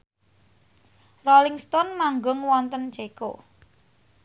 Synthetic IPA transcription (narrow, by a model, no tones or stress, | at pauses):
rɔlɪŋst̪ɔnmaŋɡʊŋwɔnt̪ən̥d͡ʒ̥eko̰